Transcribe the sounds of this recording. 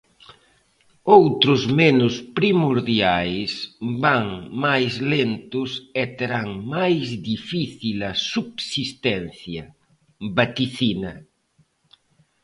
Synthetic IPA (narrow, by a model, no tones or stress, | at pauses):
owt̪ɾʊzmenʊspɾimuɾðjajsbaŋmajzlent̪ʊsɛt̪eɾaŋmajzd̪ifiθilɐsubsist̪ɛnθjɐ | bat̪iθinɐ